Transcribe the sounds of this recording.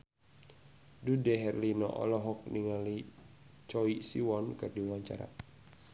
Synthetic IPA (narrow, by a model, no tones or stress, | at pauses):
dudɛɦɛrlinɔ̰ʔɔ̰lɔɦɔk̚niŋali | t͡ʃɔisiwɔnkɨrdiawaɲt͡ʃa̰ɾa̰